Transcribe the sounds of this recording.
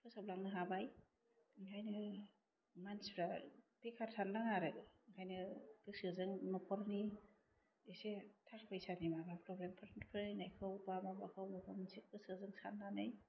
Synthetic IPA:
pʰɯsablaŋnɯɦabaj | kʰajnɯ | manspʰɾapekʰaɾtʰandaŋaɾɯŋkʰajnɯbɯsɯzɯŋnɔpʰɔɾni | esetʰaɾpʰajsanimabapʰɾɔbɾempʰɯɾʰantpʰɯɾɯnajkʰɯwbamabakʰɯwmɔpʰɔmnsik̚bɯsɯzɯŋsanːanɯj

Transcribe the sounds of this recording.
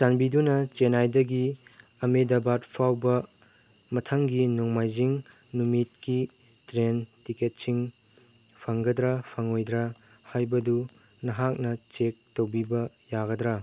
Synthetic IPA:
sanbidunɐt͡ʃenajdɐɡi | ɐmedɐbatpʰawbɐ | mɐtʰɐŋɡinɔŋmajziŋ | numit̚ki | tɾentiket̚siŋ | pʰɐŋɡɐdɾɐpʰɐŋojdɾɐ | hajbɐdu | nɐɦak̚nɐt͡ʃek̚towbibɐ | jaɡɐdɾɐ

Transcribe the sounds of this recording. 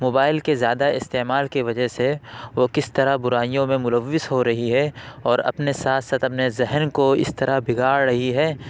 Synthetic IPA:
moːbaːɪlkezjaːd̪aɪst̪eːmaːlkiʋɐd͡ʒəɦseʋokɪst̪ɐɾabʊɾaːijõmẽmʊləʋːɪsɦoɾɐɦiɦɛɔːɾɐ̰pnesaːt̪ʰsaːt̪ɐpnezɛɦnkoɪ̰st̪ɐɾabʱɪɡaːɽɾɐɦiɦɛː

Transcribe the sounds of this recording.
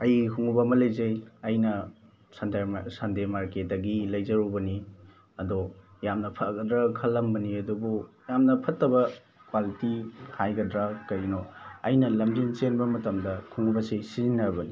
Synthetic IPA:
ɐjikʰuŋubɐmɐlɐjzɐjɐjnɐ | sɐndasɐndemaɾket̚dɐɡilɐjzɐɾubɐni | ɐdojamnɐpʰɐtɡɐdɾɐkʰɐlːɐmbɐniɐdubu | jamnɐpʰɐtːɐbɐ | kwalitihʰajɡɐdɾakɐɾinoɐjnɐlɐmdiŋt͡ʃenbɐmɐtɐmdɐkʰuŋubɐsisiinːɐbɐni

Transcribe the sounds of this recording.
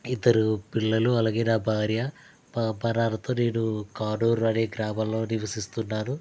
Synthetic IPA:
id̪ːɐɾupiɭːɐluɐlaːɡe̞ːnaːbʱaːɾjɐ | bɐnaːlɐt̪o̞ːne̞ːnukaːɖoːɾɐneːɡɾaːmɐllːo̞ːniʋɐsist̪unːaːnu

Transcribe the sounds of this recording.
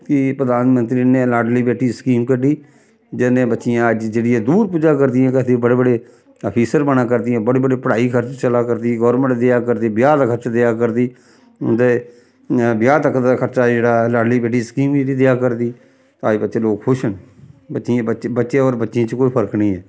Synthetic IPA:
kɪpɾəd̪aːnmənt̪ɾiːneːlaːɖliːbɛːʈːiːsə̥kiːmkəɖiː | d͡ʒɛnẽːbətːʃɪjãːəd͡ʒd͡ʒeːɽɪjɛ̃ːd̪uːɾpuːd͡ʒaːkəɾd̪ɪjãːkɪt̪ibəɽeːbəɽeː | əpʰiːsəɾbənaːk̬əɾd̪ɪãːbəɽeːbəɽeːpəɽaːiːkʰəɾt͡ʃt͡ʃəlaːkəɾd̪iːɡɔːɾmə̃ɳʈd̪eaːkəɾd̪iːbɪjaːd̪aːkʰəɾt͡ʃad̪eaːkəɾd̪iː | ʊ̰d̪eː | bɪjaːt̪əkʰd̪aːkʰəɾt͡ʃaːd͡ʒeːɽaːlaːɖliːbɛːʈːiːskiːmiid̪eaːkəɾd̪iː | t̪aːbəːʃeːloːkkʰʊʃənbətːt͡ʃãːəbətːʃẽoːɾbətːʃãːt͡ʃkoːiːpʰəɾknĩːɛː

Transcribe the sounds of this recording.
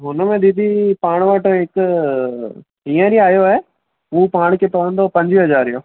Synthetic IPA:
ɦʊnəmẽɗ̪ɪd̪ʱipaːɽ̃ʋaːʈoɦɪk | iə̃ɾiaːjoaːɦe | uːpaːɽ̃kʰet̪oːɽə̃nd̪opɐ̃ɲd͡ʑʋiɦɐzaːɾijõ̰ː

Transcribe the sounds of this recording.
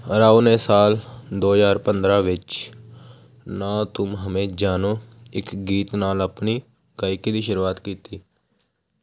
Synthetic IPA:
ɾaːuːneːsaːld̪oːd͡ʒaːɾpənd̪ɾãːʋɪt͡ʃ | naːt̪ʊmɦəmẽːd͡ʒaːnoːɪkɡiːt̪naːləpniː | ɡaːɪkiːd̪iːʃəɾuːaːt̪kiːt̪iː

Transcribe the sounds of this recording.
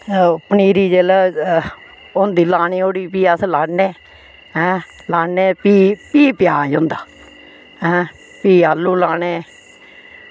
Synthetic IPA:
pəniːɾiːd͡ʒeːlː | ond̪iːlaːɳiːoːɽiːpiːaslaːneː | ɦɛ̃ːlaːeːpiːpiːpɪjaːɦõnd̪aː | ɦɛ̃ː | piːaːlːũːlaːɳeː

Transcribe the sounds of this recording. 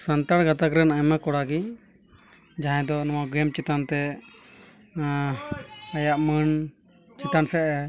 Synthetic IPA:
sant̪aɽɡat̪akɾɛnajmakɔɽaɡi | d͡ʒaɦãd̪ɔnɔwaɡɛmt͡ʃit̪ant̪ɛ | ajaʔmən | t͡ʃit̪ansɛʔɛ

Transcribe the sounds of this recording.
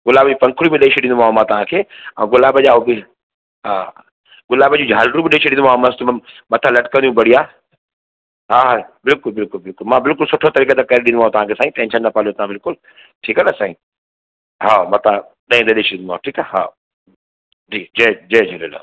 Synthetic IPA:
ɡʊlaːbd͡ʑuːpɐ̃ŋkʰʊɽibẽɗeʃeɗɪ̃nd̪ʊãːmãt̪ɐʋ̤ãkʰeːɐ̃ũɡʊlaːbəʄaːɦobɪ | ɦaː | ɡʊlaːbəd͡ʑũd͡ʑʱaːlɾũbɪɗẽʃʰeɗɪ̃nd̪ʊ̃ãːmɐ̃st̪mɐt̪ʰãlɐʈkə̃nd̪ijũbɐɽiaː | ɦaːɦabɪlkʊlbɪlkʊlbɪlkʊlmãbɪlkʊlsʊʈʰot̪ɐɾiːket̪akɐɾeɗĩnd̪ũaːõt̪ɐʋãkʰesaːĩt̪ɛ̃nʃənːɐpaːliot̪ɐʋãbɪlkʊl | ʈʰiːkɐnasãːĩː | ɦaːmãːt̪ɐã | ɗɐ̃ĩnd̪eɗeːʃɗɪ̃nd̪uaːʈʰiːkaɦa̰ː | d͡ʒiːd͡ʑed͡ʑeːd͡ʑʱelela̰

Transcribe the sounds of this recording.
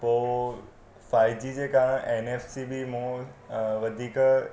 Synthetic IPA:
poː | faːjd͡ʑid͡ʑekãʔeneːfsibimũː | ʋɐd̪ʱiːk

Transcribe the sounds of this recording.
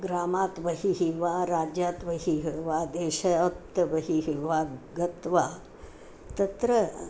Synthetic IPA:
ɡɾaːmaːt̪ʋɐɦiɦiʋaːɾaːd͡ʒjaːt̪ʋɐɦiɦiʋaːd̪eːʃɐjat̪ːɐʋɐɦiɦiʋaːɡɐt̪ʋaː | t̪ɐt̪ɾɐ

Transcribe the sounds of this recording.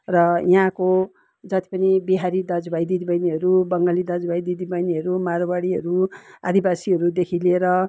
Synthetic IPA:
rʌjɦãko | d͡zʌt̪i̥pʌnibiɦaɾid̪ʌd͡zbʱajd̪id̪ibʌjniɦʌɾubʌŋɡalid̪ʌd͡zbʱajd̪id̪ibʌjniɦʌɾumaɾobaɽiɦʌɾua̰d̪ibasiɦʌɾud̪ekʰileɾʌ

